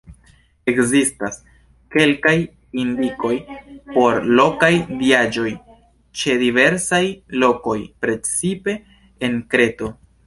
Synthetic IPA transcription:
e̞kzistas | ke̞lkaj | indiko̞jpo̞ɾlo̞kajdiad͡ʒo̞j | t͡ʃe̞dive̞ɾsajlo̞ko̞jpɾe̞t͡sipe̞ː | nkɾe̞to̞

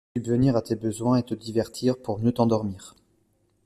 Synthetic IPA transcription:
sybvəniʁat̪ebəzwɛ̃et̪əd̪ivɛʁt̪ʰiʁpuʁmjøt̪ɑ̃d̪ɔʁmiːʁ

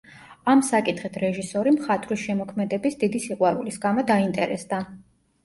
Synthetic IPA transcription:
amsakʼit̪ʰχit̪ʰɾɛʒisɔɾimχat̪ʰvɾisʃɛmɔkʰmɛd̪ɛbisd̪id̪isiqʼwaɾulisɡamɔd̪aint̪ʼɛɾɛsd̪a

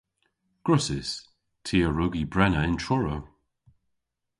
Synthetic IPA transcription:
ɡ̥ɹʊsɪs | tʰiːəɹʊɡibɹɛnəɪntʰɹɔɹə

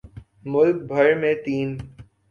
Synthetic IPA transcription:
mʊlk̚bʱɐɾmẽt̪iːn

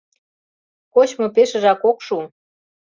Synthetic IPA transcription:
kot͡ɕmŏpeʃə̆ʒɑkokʃu

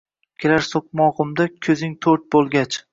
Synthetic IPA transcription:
kʲʰeɾaɾsok̚mɒʁʊmd̪akʲʰɵzɪŋt̪ʰɵɾt̪̚bolˠɡʲat͡ʃ

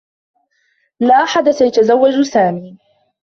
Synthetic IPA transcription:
laːʔaħad̪asajat̪azawːad͡ʒsaːmiː

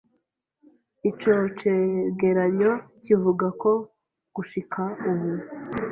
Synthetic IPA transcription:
it͡ʃo̞t͡ʃeɡe̞ɾaɲo̞civuɡako̞ | ɡ̥uʃikʰauβu

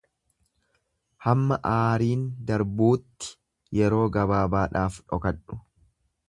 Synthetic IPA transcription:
hɐmːɐʔaːɾiːnd̪ɐɾbuːt̪ːɪ̥ | jɛɾo̞ːɡɐbaːbaːᶑaːfᶑɔ̰kɐᶑʊ̥

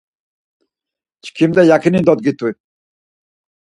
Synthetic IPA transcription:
t͡ʃʰkʰimd̪ajakʰinind̪ɔt̪̚ɡit̪ːu

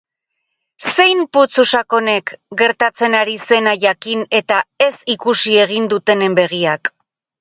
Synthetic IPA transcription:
se̞jmput͡susako̞ne̞kɡe̞ɾt̪at͡se̞naɾise̞naʝakine̞t̪ae̞sikusie̞ɣind̪ut̪e̞ne̞mbe̞ɣ̞iak

